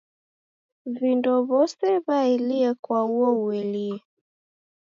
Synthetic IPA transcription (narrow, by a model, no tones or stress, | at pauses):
vindɔβɔsɛβaɛliɛkwauɔuɛliɛ